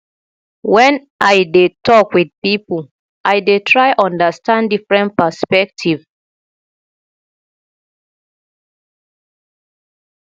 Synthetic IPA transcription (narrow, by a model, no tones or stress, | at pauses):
wɛ̃n | ʔajdetɔkwid̚pipl | ʔajdetʰɹaɪʔɔ̃ndəstãndifɹɛ̃npəspɛk̚tʰiv